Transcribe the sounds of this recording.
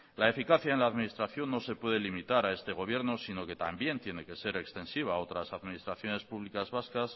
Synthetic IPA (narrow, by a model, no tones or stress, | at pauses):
lae̞fikaθjaenlaːðminist̪ɾaθjo̞nːo̞se̞pwe̞ð̞e̞limit̪aɾae̞st̪e̞ɣ̞o̞β̞je̞ɾno̞sino̞ke̞t̪a̰mbje̞nt̪je̞ne̞ke̞se̞ɾe̞kst̪e̞nsiβ̞ao̞t̪ɾasaðminist̪ɾaθjo̞ne̞spuβlikazβaskas